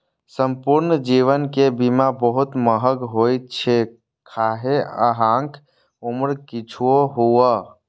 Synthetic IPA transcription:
səmpuɾnd͡ʒiʋənkebimabəɦut̪məɦəɡɦojt̪̚t͡ʃʰe | kʰaɦeə̰ɦãŋk | oməɾkit͡ʃʰuoɦuə

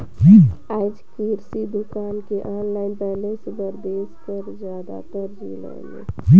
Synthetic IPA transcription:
aːd͡ʒkiːɾsid̪ʊkaːnkeʔaːnlaːɪnpɛɦlẽsebəɾd̪eːskəɾzjaːd̪a̰t̪əɾd͡ʒilɛ̰ːnḛ

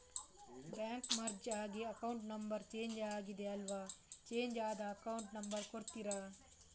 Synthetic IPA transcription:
bjaːŋkmɐɾd͡ʒaːɡiɐkɐwɳʈnɐmbɐɾt͡ʃe̞ːɲd͡ʒaːɡid̪e̞ɐlʋaːt͡ʃe̞ːɲd͡ʒaːd̪ɐːkɐwuɳʈnɐmbɐɾkoɾt̪iɾa

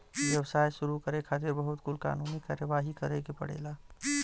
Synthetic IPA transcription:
ʋjəʋsaːjʃʊɾukəɾekʰaːt̪̬eɾbəɦʊt̪kʊlka̰ːnuːnikaːɾjəʋaːɦikəɾekepə̰ɽ̤ḛːla

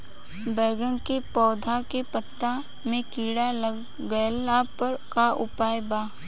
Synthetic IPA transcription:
bɛːɡə̃nkepɔːd̪ʱakepət̪ːa | mẽkiːɽalə | ɡəlapəɾkaʔʊpaːjbaː

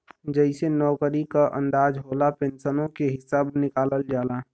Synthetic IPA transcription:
d͡ʒəɪsenɔːkəɾikaʔə̰̃nd̪aːd͡ʒɦoːlapẽnsənõkeɦɪsaːbnɪkaːləld͡ʒaːlaː

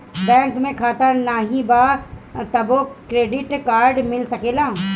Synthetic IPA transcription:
bɛ̃ːŋkmẽkʰaːt̪anaːɦĩbat̪ɐbokɾeːɖɪʈkaːɾɖmɪlsɐkeːlaː

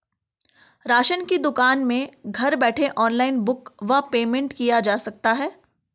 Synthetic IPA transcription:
ɾaːʃənkid̪ʊkaːnmẽɡʱɐɾbɛːʈʰeʔɔːnlaːɪnbʊkʋɐpeːmẽɳʈkijad͡ʒaːsɐk̚t̪aɦɛː

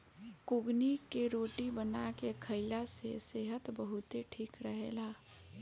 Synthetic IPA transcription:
kʊɡnikeɾoːʈibənakekʰəɪlaseseɦət̪bəɦʊt̪eʈʰiːkɾəɦelaː

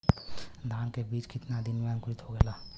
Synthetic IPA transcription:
d̪ʱaːnkebiːt͡ʃkɪt̪nad̪ɪnmeə̃ŋkʊɾɪt̪ɦoɡɛlaː

